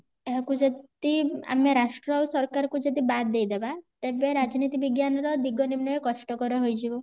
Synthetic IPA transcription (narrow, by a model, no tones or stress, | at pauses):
eɦakũd͡ʒet̪ia̰meɾaʂʈɾawsɔɾkaɾkũd͡ʒed̪ibat̪̚d̪ejd̪ebat̪ebeɾad͡ʒnit̪iʋiɡjanɾɔd̪iɡɔnimnɔekɔʂʈɔkɔɾɔɦojd͡ʒiu